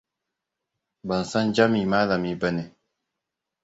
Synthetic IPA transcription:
ba˨n˨sa˦nd͡ʒa˦mi˨maː˦la˨mi˦bə˦ne˨

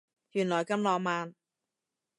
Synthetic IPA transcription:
jyː˨˩nlɔː˨˩jkɐ˧mlɔː˧maː˨˧n

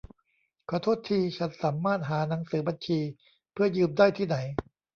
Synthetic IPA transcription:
kʰa˧t̪ʰoː˦˥˩t̪ʰːiː˧t͡ɕʰa˦˥nsaː˩˦mːaː˥˩t̪̚ɦaː˩˦na˩˦ŋsɯː˩˦ba˧nt͡ɕʰiː˧ | pʰɯ˥˩ɐjɯː˧mdaː˥˩jt̪ʰiː˥˩na˩˦j

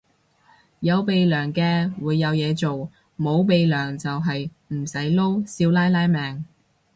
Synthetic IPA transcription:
jɐ˨˧wpe˨jlœː˨˩ŋkɛː˧wuː˨˧jːɐ˨˧wjɛː˨˧t͡so˨w | mo˨˧wpe˨jlœː˨˩ŋt͡sɐ˨wɦɐ˨j | m̩˨˩sɐ˨˥jlo˥wsiː˧wlaː˥jlaː˥jmɛː˨ŋ

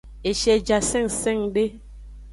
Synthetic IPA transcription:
e˨ʃɛ˨d͡ʒa˨sɛ˦˨ŋsɛ˦˨ŋɗe˦

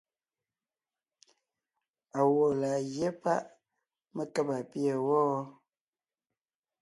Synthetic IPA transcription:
a˨wo˨la˨ɣje˦pa˦ʔ | mə˦kə˦pa˨pi˦ə˦˨wɔː˦

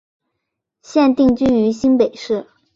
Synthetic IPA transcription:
ɕjɛ˥˧nt̪i˥˧ŋt͡ɕy˥ny˧˥ɕi˥npe˨˩ɪʂɻ̩˥˩

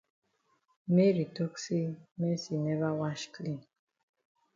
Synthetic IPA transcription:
me˦ɹi˨tɔ˦ksi˦me˦si˨nɛ˦va˦wa˦ʃkʰlĩ˦n

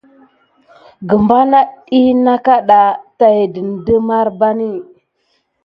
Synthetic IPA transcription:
ɡə˨mba˦na˦ɗi˦na˦ka˦ɗa˨ta˨jdə˨n˨də˦ma˦ɾba˦ni˦˨

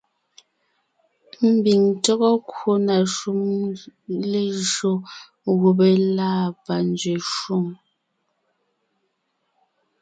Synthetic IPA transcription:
m̩˨bi˨ŋtɔ˦ɣɔ˦kwo˦na˨ʃu˦m | le˨ʒo˨ | ɣu˨be˨laː˦˨pa˨n˦d͡zɥe˨ʃu˦˨m

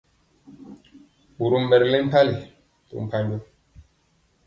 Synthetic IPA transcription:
bu˨ɾu˦m̩ː˦˨bɛ˨ɾle˦m̩˦pa˦li˨ | to̰˨m̩˨pa˦ɲd͡ʒo˦

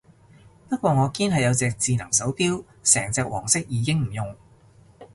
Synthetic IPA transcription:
pɐ˥t̚kʷɔː˧ŋɔː˨˧kiː˥nɦɐ˨jɐ˨˧wt͡sɛː˧k̚t͡siː˨˧nɐ˨˩ŋsɐ˨˥wpiː˥w | sɛː˨˩ŋt͡sɛː˧k̚wɔː˨˩ŋsɪ˥k̚jiː˨˧kɪ˥ŋm̩˨˩jʊ˨ŋ

